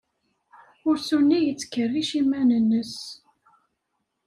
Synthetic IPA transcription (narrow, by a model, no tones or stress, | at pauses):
ʊɾsunːijət͡sːkːərːiʃimːænənːəs